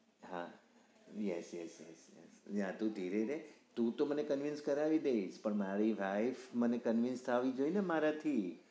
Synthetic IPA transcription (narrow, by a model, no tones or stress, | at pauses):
ɦa | jɛsjɛsjɛ̰sjɛ̰sjãt̪ũt̪iɾeɾɛt̪ũt̪omənekənʋɪnskəɾaʋid̪eiʃpəɳmaɾiʋajfmənekənʋɪnst̪ʰaʋid͡ʒoinemaɾat̪ʰi